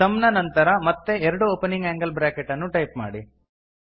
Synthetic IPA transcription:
sɐmnɐnɐnt̪ɐɾɐmɐt̪ːe̞ɛɾɐɽuoːpeniŋɡæːŋɡɐlbɾaːkeʈːɐnːuʈɐjpma̰ːɽi

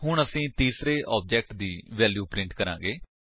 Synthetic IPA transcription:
ɦʊɳəsĩːt̪iːsɾeːʔɔːp̚d͡ʒɛːk̚ʈd̪iːʋɛːljuːpɾɪ̃ɳʈkəɾã̰ːŋɡeː

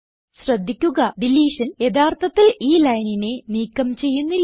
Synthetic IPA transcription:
ɕrɐd̪ʱːikʲːuɣɐɖ̪iliːʂɐnje̞d̪aːrt̪ʰɐt̪ːiliːlɐjnine̞niːkːɐmt͡ɕe̞jːunːilː

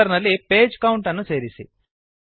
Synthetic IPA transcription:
ɐɾnɐlːipeːd͡ʒkɐwuɳʈɐnːut͡ʃeːɾisḭ

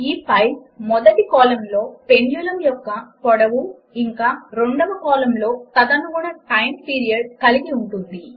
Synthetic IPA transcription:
iːpʰɐjpmɔd̪ɐʈikɔːlɐmlo̞ːpenjuːlɐmjɔkːɐpɔɽɐʋu | iŋkaːɾoɳɖɐʋɐkɔːlɐmlo̞ːt̪ɐd̪ɐnuɡuɽɐʈɐjmpiːɾijɐɖ̚kɐliɡiuɳʈund̪i

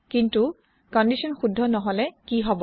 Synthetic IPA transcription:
kintu | kɔndisɔnxudʱːɔnɔɦɔlɛkiɦɔbɔ

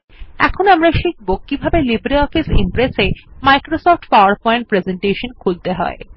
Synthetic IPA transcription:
ɛ̰kʰonamɾaʃik̚bok̚kːibʱabelibɾiɔfisḭmpɾesemajkɾosɔfʈfaaɾpɔẽɳʈ̚pɾezeɳʈeʃonkʰuɡ̚d̪eɦɔ̰e

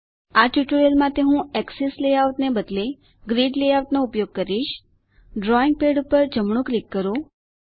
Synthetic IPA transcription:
aʈuʈuɾelmãt̪eɦũɛksesleauʈnebəd̪le | ɡɾiɖleawʈnoupjoɡ̚kəɾiʃ | ɖɾɔiŋɡ̚peɖupəɾd͡ʒəmɳ̃ũklikːəɾũ

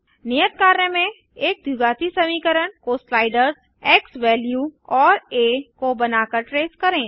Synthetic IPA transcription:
nijət̪̚kaːɾnəmẽ | eːk̚d̪uɡaːt̪isɐmiːkəɾənkoːslaːɪɖəɾz | ɛːkswɛːljuːɔːɾeːkobɐnaːkəɾʈɾeːskɐɾẽː

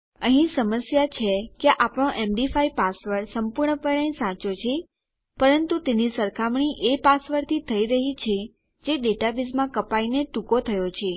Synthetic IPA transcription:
əɦĩsəməsjat͡ʃʰekeʔapɽ̃oʔemɖifaipasʋəɾsəmpuɾɳəpəɽə̃ĩsãt͡ʃot͡ʃʰe | pəɾənt̪ut̪enisəɾkʰamɳiʔepasʋəɾt̪ʰit̪ʰəiɾəɦit͡ʃʰe | d͡ʒeɖeʈabizmãkəpaineʈukot̪ʰəjot͡ʃʰe

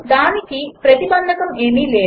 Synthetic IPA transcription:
d̪aːnikipɾɐt̪ibɐnd̪ʱɐkɐmemiːleː

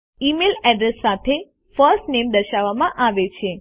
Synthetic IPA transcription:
imelɛɖɾesːat̪ʰe | fəɾsʈnemd̪əʃaʋːamãʔaʋet͡ʃʰe

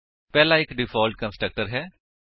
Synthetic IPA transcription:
pɛːlaɪkɖɪfɔːlʈ̚kə̃nsʈɾək̚ʈəɾɦɛː

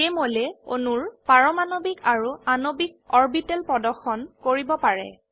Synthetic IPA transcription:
emolɛo̰nuɹpaɹɔmanobikaɹuanobik̚ɔɹbitɛlpɹɔdɔxɔnkoɹibɔpaɹɛ̰

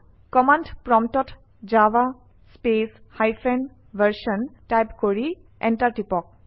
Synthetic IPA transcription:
kɔmandpɹɔmtɔt | d͡ʒaʋa | speshajfʰɛn | bʱəɹʃɔntajpkoɹi | ʔɛ̰ntaɹʈipɔk̚

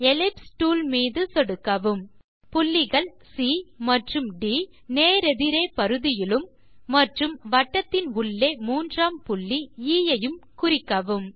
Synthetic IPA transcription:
ɛlɪpsʈuːlmiːðɯsɔɽɯkːɐʋɯm | pʊɭːɪɣɐɭ | siːmɐʈrɯmɖiː | neːɾɛðɪɾeːpɐɾɯðɪjɪlɯmː | ɐʈrɯmʋɐʈːɐt̪ːɪnʊɭːeːmuːndraːmpʊɭːiiːjɐjɯmkʊɾɪkːɐʋɯm

